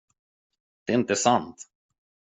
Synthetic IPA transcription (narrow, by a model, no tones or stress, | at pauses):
d̪̥ɛɪnt̪əsant̪